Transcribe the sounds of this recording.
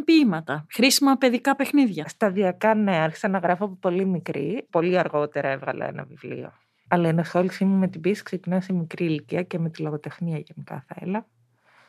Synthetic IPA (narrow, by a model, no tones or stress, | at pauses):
pimɐt̪ɐxɾisimɐpe̞ðikɐpexniðʝɐst̪ɐðiɐkɐneɐɾçi̥zɐnɐɣɾɐfoɐp̬opo̞limikɾḭpo̞liɐɾɣo̞t̪e̞ɾɐe̞vɣɐlɐ̰ḛnɐ̰vivlḭo̞̰ | ɐlɐenesolisimime̞t̪ibisi̥kse̞cinɐsemikɾiliciɐceme̞t̪iloɣot̪e̞xniɐʝenikɐ̰θɐḛlɐ